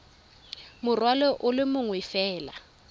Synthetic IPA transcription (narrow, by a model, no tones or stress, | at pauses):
mʊrwalɔʔʊlɪmʊŋwɪfɛːla